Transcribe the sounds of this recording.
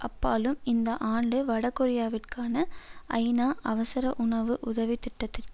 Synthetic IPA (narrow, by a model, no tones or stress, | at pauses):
ʔɐpːaːlɯmɪnd̪ɐʔaːɳɖɯʋɐɽɐkːɔɾɪjaːʋɪʈkaːnɐʔɐ̰ɪnaːʔɐʋɐsɐɾɐʔʊɳɐʋɯʔʊðɐʋit̪ɪʈːɐt̪ːɪrk